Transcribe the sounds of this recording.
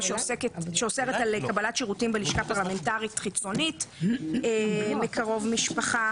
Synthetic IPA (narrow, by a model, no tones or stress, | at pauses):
ʃeoseketʃeoseʁetalkabalatʃiʁutimbeliʃkapaʁlame̞ntaʁitχit͡so̞nitemekʰaʁo̞vmiʃpaχa